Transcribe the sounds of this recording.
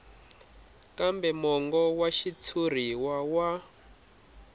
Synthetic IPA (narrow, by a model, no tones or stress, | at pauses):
kambɛmɔŋɡɔwaʃit͡sʰur̤iwawa